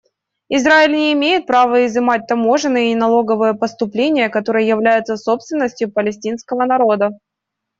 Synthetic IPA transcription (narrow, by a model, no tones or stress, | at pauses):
ɪzɾaɪlʲnʲɪːmʲejɪt̪̚pɾavəɪzɨmat̚ʲt̪ɐmo̞ʐɨnːɨjəɪnɐlˠo̞ɡəvɨjəpəst̪ʊplʲenʲɪjəkɐt̪o̞ɾɨjəjɪvlʲæjɪt̪səso̞pst̪vʲɪnːəsʲtʲjʊpəlʲɪsʲtʲinskəvənɐɾo̞d̪ə